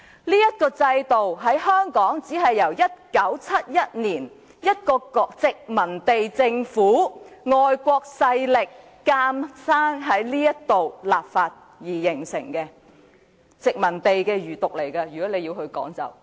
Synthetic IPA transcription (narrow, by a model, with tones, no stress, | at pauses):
liː˥jɐ˥t̚kɔː˧t͡sɐ˧jt̪o˨wɦɐ˨˥jɦœː˥ŋkɔː˨˥ŋt͡siː˨˥ɦɐ˨jːɐ˨˩wjɐ˥t̚kɐ˨˥wt͡sʰɐ˥t̚jɐ˥t̚niː˨˩n | jɐ˥t̚kɔː˧kɔ˧t͡sɪ˨k̚mɐ˨˩nt̪e˨jt͡sɪ˧ŋfuː˨˥ŋɔː˨jkʷɔː˧k̚sɐ˧jlɪ˨kː | aː˧msaː˥ŋɦɐ˨˥jliː˥jɐ˥t̪o˨wlaː˨p̚faː˧t̚ | jiː˨˩jɪ˨˩ŋsɪ̰˨˩ŋkɛ˧ | t͡sɪ˨k̚mɐ˨˩nt̪e˨jkɛ˧jyː˨˩t̪ʊ˨k̚le˨˩jkɐ˧jyː˨˩kɔː˨˥le˨˧jiː˧wɦɵ˧ɥkɔ̰ː˨˥ŋt͡sɐ̰˨˩w